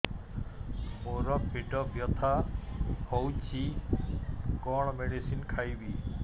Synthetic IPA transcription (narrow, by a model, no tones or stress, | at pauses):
moɾɔpiʈɔbjɔt̪ʰa | hɔwd͡ʑi | kɔɽ̃meɽisinkʰajbi